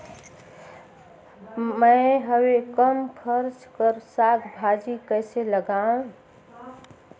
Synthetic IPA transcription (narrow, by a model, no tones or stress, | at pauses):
məɪɦəwekəmpʰəɾt͡ʃkəɾsat̪ʰbʱad͡ʒikəɪseləɡã